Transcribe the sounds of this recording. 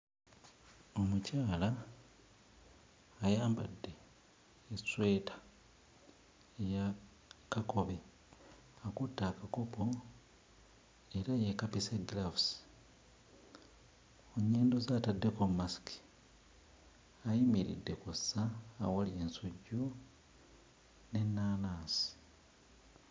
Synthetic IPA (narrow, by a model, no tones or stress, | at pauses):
o̞mucaːla | jaːmba̰dːe̞ː | swe̞ːtʰḁ | eja | kako̞βe | akutːaːkako̞po̞ | e̞ɾajekapiseɡlafs | oɲːeːndozaːtadːe̞kommasi̥ki̥ | ajimiɾḭdːe̞kusaːwalie̞nsoɟːu | ne̞nːaːnaːsi̥